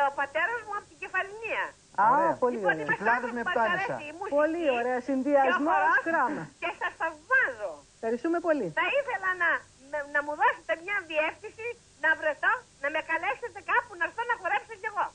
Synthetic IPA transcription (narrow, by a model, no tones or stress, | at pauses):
opɐt̪e̞ɾɐzmuɐpot̪iɟefɐliniɐ | ɐpoliooɾeiɐslɐðoneɐt̪ɐesɐ̰imuspolioɾeɐsinðiɐzmmokɾɐmɐcesɐsθɐvmɐzoefxɐɾist̪ume̞po̞liθɐiθe̞lɐnɐ | mnɐmuðo̞set̪e̞mɲɐðiefθinsi | nɐvɾe̞t̪o̞nɐme̞kɐle̞se̞t̪e̞kɐpunɐɾθonɐpoɾepsoce̞ɣo̞